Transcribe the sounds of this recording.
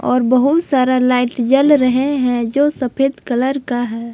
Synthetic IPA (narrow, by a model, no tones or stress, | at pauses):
ɔ̰ːɾbəɦut̪saːɾalaɪʈd͡ʒəlɾəɦeɦɛ̃d͡ʒoːsəpʰeːd̪kələɾkaɦɛː